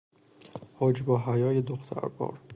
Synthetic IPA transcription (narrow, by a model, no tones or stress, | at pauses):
hɒːd͡ʒbɒːɦæjɒːjed̪oxt̪ʰæ̰ɾbɒ̰ːɾ